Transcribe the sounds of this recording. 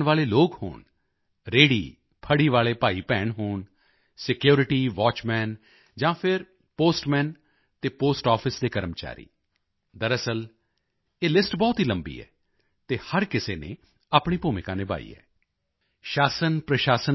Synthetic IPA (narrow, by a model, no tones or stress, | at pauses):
nʋaːleːloːkho̰ːɳ | ɾeːɽḭː | pʰəɽiːʋaːleːpaːiːpɛːɳɦoːɳ | sɪkjoːɾɪʈiːʋɔːt͡ʃmɛːn | d͡ʒãːpʰɪɾ | poːsʈmɛ̃ːn | t̪eːpoːsʈɔːpʰɪsd̪eːkəɾəmt͡ʃa̰ːɾḭː | d̪əɾəsəl | eːlɪsʈbɔːt̪ɦiːləmbḭːɛ̰ː | t̪eːhəɾkɪseːnḛː | aːpɳiːpuːmɪkãːneːba̰ːḭːɛ̰ː | ʃaːsənpɾəʃaːsən